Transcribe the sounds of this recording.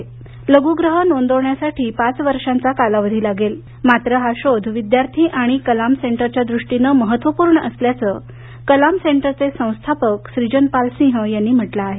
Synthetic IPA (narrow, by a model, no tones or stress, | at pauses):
ləɡuɡɾəɦənond̪ʱoʋɳjasaʈʰiːpat͡sʋəɾʂant͡sakalaʋəd̪ʱiːlaɡel | mat̪ɾəɦaɕod̪ʱʋid̪jaɾt̪ʰiːʔaɽ̃ikəlamseɳʈəɾt͡ɕjəad̪ɾuʂʈinəməɦət̪ʋəpuːɾɳəʔəsljat͡sə | kəlamseɳʈəɾt͡sesə̃w̃st̪ʰapəkɕɾid͡ʑənpalsĩɦəjanːiːm̤əʈlaːɦe